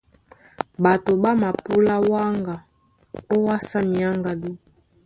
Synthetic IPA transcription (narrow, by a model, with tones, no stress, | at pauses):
ba˨to˨ba˦ma˨pu˦la˦wa˦ŋɡa˨ | o˦wa˦sa˦mi˨a˦ŋɡa˨du˦